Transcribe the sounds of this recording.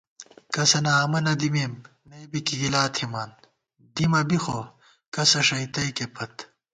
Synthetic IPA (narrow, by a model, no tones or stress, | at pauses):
kɐsɐnaːmɐnɐd̪imeːmː | eːbikiɡilaːt̪ʰhimaːn | d̪imɐbixo | kɐsɐʂɐit̪ɐikepʰɐt̪